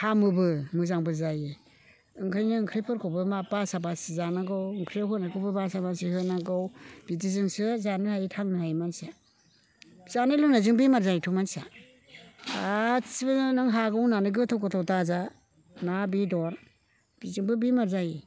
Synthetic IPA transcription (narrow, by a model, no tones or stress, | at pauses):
hamɯbɯmɯzaŋbɯzajɯ | ɯŋkʰɯjnɯɯŋkʰɾipʰɯɾkʰɔwbɯmabasabasizanaɡɯwɯŋkʰɾijawɦʰɯnakʰowbɯbasabasihɯnaɡawb̥itizɯŋsɯzanɯhajitʰaŋnɯɦajmansa | zanɯlunazɯŋbimaɾzajtʰumansa | sibnɯŋɦaɡɯwnanɯɡɯtʰawkɯtʰawtaza | nabidɔɾ | b̥izɯŋbɯbimaɾzaj